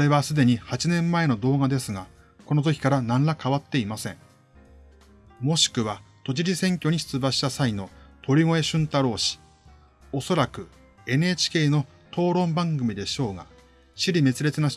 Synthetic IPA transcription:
oɾe̞βasɨd̪e̞ɲ̟ihat͡ɕinẽ̞mːae̞no̞d̪o̞ːɡad̪e̞sɨɡa | ko̞nozokʲi̥kaɾanãnlakaβat̪ːe̞imasẽ̞ɴ | mo̞ɕi̥kɯ̟βat̪o̞t͡ɕiɾʲisẽ̞ŋkʲo̞ɲ̟iɕɨ̥t͡sɨbaɕi̥t̪asaino̞t̪ʰo̞ɾʲimo̞e̞ɕɨ̃nt̪aɾo̞ːɕi̥ | o̞so̞ɾakɯ̟ | e̞ne̞ːt͡ɕi̥kʲe̞ːno̞ | t̪o̞ːɾõ̞mbãŋɡɯ̟mʲid̪e̞ɕo̞ːɡa̰ | ɕiɾʲime̞t͡sɨɾe̞t͡sɨna

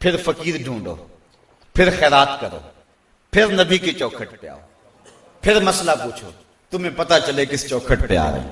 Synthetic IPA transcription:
pʰɪɾfəkiːɾɖʱũːɳɖo̰ː | pʰɪɾxɛːɾaːt̪kəɾo̰ː | pʰɪɾnɐbʱiket͡ʃɔːkʰəʈpɪja̰ːo̰ː | pʰɪɾmɐslapuːt͡ʃʰo̰ː | t̪ʊm̤ẽːpɐt̪at͡ʃəlekɪst͡ʃoːkʰəʈpɪja̰ːɾə̰ḭː

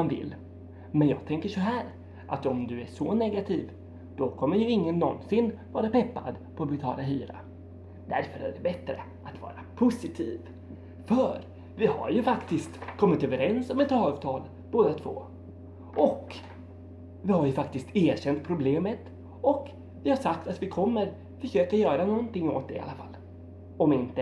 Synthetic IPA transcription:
anvɪ̰lː | mɛnjɑ̰ːɡ̚t̪ʰɛŋkəʂɔɦæːɾ | ʔat̪ɔmd̪ɵæʂɔnɛɡat̪ʰiːv | d̪̥ɔkʰɔmːəɾjɵɪŋːənːɔnsɪnːvɑːɾapɛpːa̰d̪pʰɔɔbɛt̪ʰɑ̰ːlaɦyːɾa̰ | d̪̥æɾfœɾæ̰ɖɛbɛt̪ɾə̰ | at̪vɑ̰ːɾapʰʊsɪt̪ʰiːv | fœɾ | vɪha̰ɾjɵfakt̪ɪst̪kʰɔmːɪt̪øːvəɾɛnsɔmːɛt̪ɑːvt̪ʰɑːl | b̥oːd̪at̪ʰv̥o̰ː | ʔɔk | vɪhaɾjɵfakt̪ɪst̪eːɕɛnt̪̚pʰɾʊbleːmət̪ | ɔk | vɪhaʂakt̪at̪vɪkʰɔmːəɾ | fœʂøːkajœːɾanɔnt̪ɪŋːo̰ːt̪̚d̪ɛ̰ɪa̰lːafa̰lː | ɔmɪnt̪ə

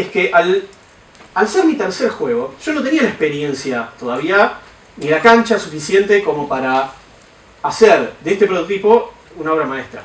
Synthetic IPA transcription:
eskeʔal | alseɾmit̪eɾseɾxwe̞ɣ̞o̞ʒ̥o̞no̞t̪̬e̞niaunaekspe̞ɾje̞nsjat̪o̞ðaβia | nilakant͡ʃasufisje̞nt̪e̞ko̞mo̞paɾaː | seɾd̪eeht̪e̞pɾot̪ot̪ipo̞ | unao̞βɾamaest̪ɾa̰

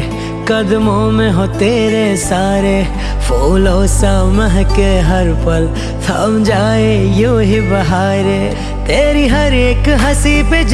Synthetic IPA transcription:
kɐd̪momẽɦot̪eːɾesaːɾe | fʰoːloːsaməɦkeɦɐɾpɐl | t̪ʰa̰ːmd͡ʒaːejoːɦibɐɦaːɾe | t̪eːɾiɦɐɾeːkɦɐsiped͡ʒ

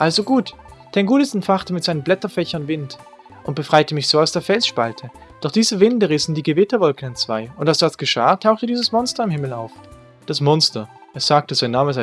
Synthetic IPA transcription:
ʔalzoɡuːt | d̥anɡuːtəsɛntfaχtəmɪtz̥aɪnənblɛtɐfɛçɐnvɪnt | ʔʊnt̚b̥əfʁ̥aɪtəmɪçz̥oːaʊsd̥eːɐfɛlsʃpaltʰəd̥ɔχd̥iːzəvɪndəʁɪsn̩diːɡəvɪtɐvɔlkn̩ant͡sv̥aɪʊntalsd̥asɡ̥əʃa̰ːtʰaʊxtədiːzəsmɔnstɐɪmhɪml̩a̰ʊf | d̥asmɔnstɐ | ʔeɐsz̥aːk̚təzaɪnːaːməza

